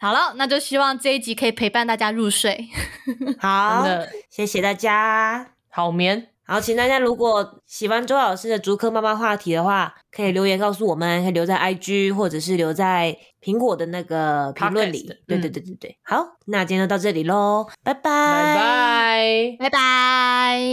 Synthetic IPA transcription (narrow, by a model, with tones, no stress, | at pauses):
xɑ˨˩lə˨˦na˥˧t͡ɕjo˥˧ʊɕi˥wɑ˥˧ŋʈ͡ʂɤ˥˧i˥˩t͡ɕi˧˥kʰɤ˧˥i˨˩pʰe˧˥ɪpa˥˧nt̪a˥˩t͡ɕja˥ɻu˥˧ʂwe˥˩ɪ | xa˨˦˧ə˧ɕɛ˧˥ɕjɛ˨˩t̪a˥˩t͡ɕja˦ | hɑ˨˩ʊmjɛ˧˦n | xɑ˨˧˦ʊt͡ɕʰi˧˩ʂ̩˧˩t̪a˥˩t͡ɕja˥lu˧˦˥kwɔ˨˩ɕi˨˩xwa˧˦nʈ͡ʂo˥ʊjɑ˨˩ʂ̩˥˩ə˨˩t͡su˧˥kʰɤ˥ma˥˧ma˨xwa˥˩t̪ʰi˧˥d̪ə˨xwa˥˩kʰɤ˧˥i˨˩ljo˧˥ʊjɛ˧˥nkɑ˥˧ʊs̬u˥˩wɔ˨˩mə˦nkʰə˧˥˨ljo˧˥t͡sa˥˧ɪʔa˥ɪt͡ɕy˥xwɔ˥˩ʈ͡ʂɤ˨˩ʂ̬ɻ̩˥˩ljo˧˥ʊt͡sa˥˩ɪ | pʰi˧˥ŋkwɔ˨˩d̪ə˦na˥˩ɡə˩pʰŋlwə˥˨nlḭ˨˦t̪we˥˧t̪t̪t̪ːe˥˩t̪we˥˩xa˨˧˥ʊna˥˩t͡ɕjno˥˧t̪ʊʈ͡ʂɤ˥˩li˨˩lo˧˦pa˧˩ɪpa˧a | a˧˩ɪpa˧